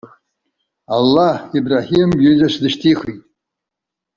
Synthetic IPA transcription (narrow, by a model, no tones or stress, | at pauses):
alːahibraħimɡezaʃdɨʃtʰiχitʼ